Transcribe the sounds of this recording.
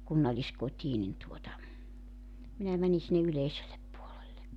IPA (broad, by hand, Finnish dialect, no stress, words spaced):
kunːɑlːiskotʲiː nin tuotɑ minæ mæni sinːe yleiselːep puolelːek